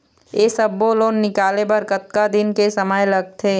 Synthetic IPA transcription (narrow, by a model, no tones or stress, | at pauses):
jesəbːoːloːnːɪkaːlebɐɾkɐt̪̚kad̪ɪnkesɐməjlɐɡ̚t̪ʰeː